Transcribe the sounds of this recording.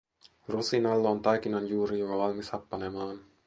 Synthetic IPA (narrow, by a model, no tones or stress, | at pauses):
rosinalːoant̪ajkinand͡ʒuɾijoɡawalmisapːanemaːn